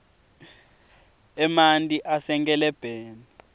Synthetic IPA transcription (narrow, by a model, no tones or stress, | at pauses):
ɛmantʼiʔasɛŋkʼɛlɛb̥ʱeːnu